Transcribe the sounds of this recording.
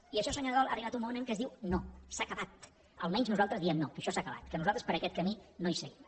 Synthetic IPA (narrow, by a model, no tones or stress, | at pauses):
iəʃɔsəɲoɾðɔlˠa̰riβat̪umonəmkəzðiwnosakəβat̪ | əlˠmɛɲznuzalˠt̪ɾəzðiɛmnokəʃɔsakəβa̰t̪kənuzalˠt̪ɾəspəɾəkɛt̪̚kəminojsəɣim